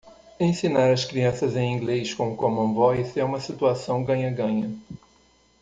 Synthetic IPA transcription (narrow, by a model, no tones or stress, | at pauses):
ẽsinaɾɐskɾiɐ̃sɐzẽj̃ĩɡlejskõʊkõmɐ̃vɔjsɛũmɐsit̪uasɐ̃w̃ɡɐ̃ɲɐɡɐ̃ɲɐ